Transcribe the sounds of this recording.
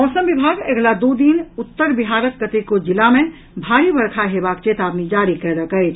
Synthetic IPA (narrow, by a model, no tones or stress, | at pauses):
mɔːsəmʋɪbʱaːɡeɡlad̪oːd̪inʊt̪ːəɾbɪɦaːɾət̪kət̪ekod͡ʒɪlamẽ | bʱaːɾibəɾkʰaɦeːbaːkt͡ʃeːt̪aːbnid͡ʒaːɾikəɾɾəkəɪt͡ʃʰ